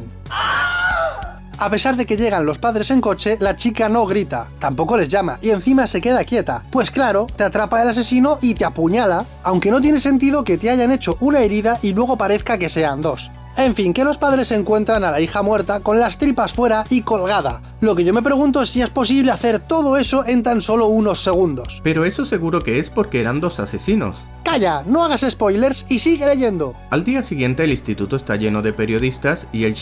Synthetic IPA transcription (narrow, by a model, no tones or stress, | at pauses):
ape̞saɾðe̞ke̞ʝe̞ɣ̞anlo̞spaðɾe̞se̞ŋko̞t͡ʃe̞lat͡ʃikano̞ɣ̞ɾit̪a̰t̪ampo̞ko̞le̞zʝamaʔie̞nθimase̞ke̞ðakje̞t̪apwe̞sklaɾo̞t̪eat̪ɾapae̞lase̞sino̞ʔit̪eapuɲala | awŋke̞no̞t̪̬je̞nese̞nt̪̬iðo̞ke̞t̪eaʝane̞t͡ʃo̞ʔunaeɾiðaʔilwe̞ɣo̞paɾe̞θkake̞se̞and̪o̞s | e̞ɱfiŋke̞lo̞spaðɾe̞se̞ŋkwe̞nt̪ɾanalaixamwe̞ɾt̪ako̞nlast̪ɾipasfwe̞ɾaiko̞lɣað̞a̰ | lo̞ke̞ʝo̞me̞pɾe̞ɣ̞unt̪oe̞sie̞spo̞siβle̞aθe̞ɾt̪o̞ð̞o̞e̞so̞ʔe̞nt̪anso̞lo̞uno̞sːe̞ɣ̞und̪o̞spe̞ɾo̞e̞so̞se̞ɣuɾo̞ke̞espo̞ɾkeeɾand̪o̞sase̞sino̰s | kaʝano̞aɣ̞ase̞spo̞jle̞ɾsisiɣ̞e̞le̞ʝe̞nd̪o̞ | ald̪iasiɣje̞nt̪e̞ːlĩnst̪it̪ut̪oest̪aʝe̞no̞ðe̞pe̞ɾjo̞ð̞ist̪asiel